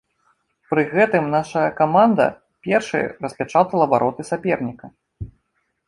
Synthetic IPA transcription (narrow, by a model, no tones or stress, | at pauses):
pɾɨɣɛt̪ɨmnaʂɐjɐkamand̪ɐ̰ | pʲɛrʂɨ̰jɐ̰rɐsʲpʲat͡ʂat̪ɐlˠɐbaɾʔɔt̪ɨsʲapʲɛrnʲikɐ